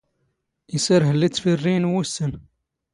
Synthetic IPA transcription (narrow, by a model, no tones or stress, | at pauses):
isəɾɦəlːit͡sːfirːinwusən